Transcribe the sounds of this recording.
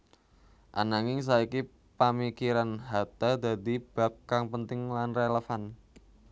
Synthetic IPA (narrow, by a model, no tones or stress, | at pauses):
ʔa̰naŋɪŋs̬aiki | pəmikiɾanɦat̪ad̪a̤d̪i̤b̥a̤p̚kaŋpənt̪ɪŋlanreləfan